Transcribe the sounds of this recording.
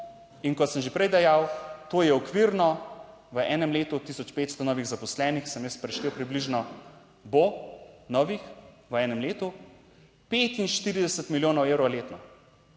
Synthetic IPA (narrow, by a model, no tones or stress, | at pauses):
iŋkɔt̪səmʒepɾɛjd̪ɛjawt̪oːjɛɔkʋiɾnɔ | ʋəʔɛːnɛmleːt̪ut̪ːisɔt͡ʃpeːt̪st̪ɔnɔːʋiɣzapɔslɛːnixsəmjəspɾɛʃlewpɾibliʒnɔ | bonɔːʋix | ʋəɛːnɛmleːt̪u | peːt̪inʃt̪iːɾid̪ɛsət̪miljoːnɔweːwɾɔleːt̪nɔ